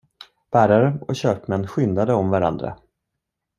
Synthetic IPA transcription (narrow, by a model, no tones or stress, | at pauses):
b̥æːɾaɾəɔɕøːpmɛnːɧʏnd̪ad̪əɔmvaɾa̰nd̪ɾa̰